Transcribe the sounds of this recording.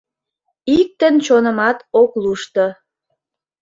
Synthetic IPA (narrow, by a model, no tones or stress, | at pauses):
ik̚t̪ənt͡ɕonəmɑt̪okluʃt̪o